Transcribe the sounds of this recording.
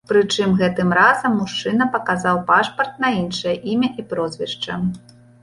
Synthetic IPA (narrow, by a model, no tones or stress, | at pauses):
pɾɨt͡ʂɨmɣɛt̪ɨmrazɐmːuʂt͡ʂɨnɐpɐkazawpaʂpɐrt̪̚nɐinʂɐjɐʔimʲɐʔipɾɔzʲvʲɛʂt͡ʂɐ